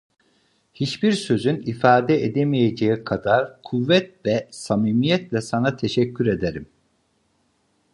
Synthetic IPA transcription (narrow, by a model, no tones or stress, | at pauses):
hit͡ʃbiɾsø̞zynifaːd̪ɛed̪emijed͡ʒejikʰad̪aɾkʰuvːɛt̪̚vɛsamiːmijɛt̪lʲɛsanat̪ʰe̞ʃɛcʰːyɾe̞d̪eɾim